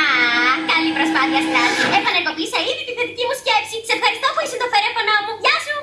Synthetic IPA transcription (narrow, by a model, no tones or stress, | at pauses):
ɐkɐlipɾospɐθiɐst̪ɐsefɐnekopisɐiðit̪iθet̪icimuscepsiise̞fxɐɾist̪opuisut̪ofeɾefonomuvʝɐsu